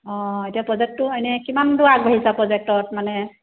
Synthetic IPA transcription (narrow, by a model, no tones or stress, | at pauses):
ɔ̃etijapɹɔzɛk̚tːuajnɛkimandʊaɡ̚bɔɦisapɹɔzɛk̚tɔtmanɛ